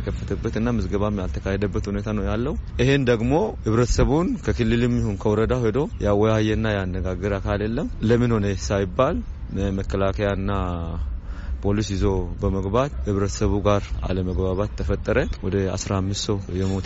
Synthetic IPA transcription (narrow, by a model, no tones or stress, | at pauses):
əkʰəfːət̪ʰəbːət̪ɨnːamɨzɡəβamjalt̪ʰəkʰahɛd̪əbːət̪hunet̪ʰanəwjalːəhuʔihe̞nd̪əɡmo̞hɨβɾət̪ʰə̥səβunkʰəkʰɨlːɨlɨmjihunkʰəwɾəd̪ahed̪o̞jawːɔjajɛnːajanːəɡaɡəɾakʰaljɛlːəmləmːɨnho̞nesajɪbːal | məkːəlakʰəjaɨnːa | pʰo̞lisjɪzo̞bəməɡbat̪hɨβɾət̪ʰə̥səβuɡaɾa̰ləməɡbaβat̪ʰːəfət̪ʼːəɾəwɔd̪əa̰sɾamːɨst̪səwjɛmo̞t̪